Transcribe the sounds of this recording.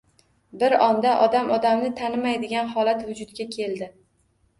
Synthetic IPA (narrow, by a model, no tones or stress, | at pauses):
bɪɾɒnd̪aʔɒd̪amʔɒd̪amnɪt̪ʰanɪmajd̪ɪɡʲanɦɒlat̪vʊd͡ʒʊd̪̚ɡʲakʲʰe̞ld̪ɪ